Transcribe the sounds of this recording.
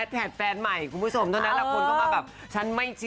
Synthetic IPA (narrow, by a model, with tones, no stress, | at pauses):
t̪̚pʰɛː˨˩t̪̚fɛː˧nma˨˩jkʰu˨˩nmbu˦˥˩o˧mt̪ʰa˥˩na˦˥lʰa˧˩kʰo˧nɔ˥˩wa˥˩bɛː˨˩p̚ | t͡ɕʰa˦˥nma˥˩jt͡ɕʰɯ˦˥